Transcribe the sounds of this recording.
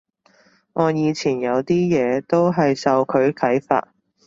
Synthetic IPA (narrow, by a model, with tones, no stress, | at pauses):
ŋʔɔː˨˧jiː˨˧t͡sʰiː˨˩njɐ˨˧wt̪iː˥jɛː˨˧t̪o˥wɦɐ˨jsɐ˨wkʰɵ˨˧ɥkʰɐ˨˥jfa̰ː˧t̚